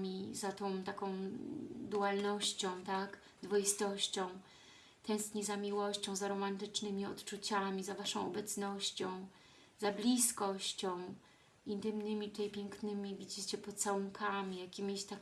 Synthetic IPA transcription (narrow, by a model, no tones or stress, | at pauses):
mʲizat̪ɔ̃w̃t̪akɔ̃w̃d̪uwalnɔɕt͡ɕɔ̃w̃t̪ak | d̪vɔist̪ɔɕt͡ɕɔ̃w̃ | t̪ʰɛ̃w̃st̪ɲizamʲiwɔɕt͡ɕɔ̃w̃zaɾɔmant̪ɘt͡ʂnɘmʲiɔt̪t͡ʂut͡ɕamʲizavaʂɔ̃w̃ɔbɛt̪snɔɕt͡ɕɔ̃w̃ | zablʲiskɔɕt͡ɕɔ̃w̃ | int̪ɘmnɘmʲit̪ut̪ɛjpʲjɛŋknɘmʲivʲid͡ʑit͡ɕɛpɔt̪sawuŋkʰamʲijakʲimʲiɕt̪a